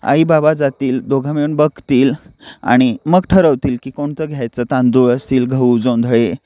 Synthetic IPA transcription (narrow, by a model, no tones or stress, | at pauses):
a̰ibabad͡zat̪iːld̪oɡʱameɭuːnbəkt̪iːla̰ɽ̃iməɡʈʰəɾəʋt̪iːlkiːkoɳt̪əɡʱjajt͡sət̪ãnd̪uɭəsiːlɡʱəud͡zond̪ʱɭe